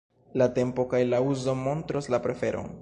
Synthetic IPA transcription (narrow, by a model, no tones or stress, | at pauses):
late̞mpo̞kajlauzo̞mo̞ntɾoslapɾe̞fe̞̰ɾʔo̰n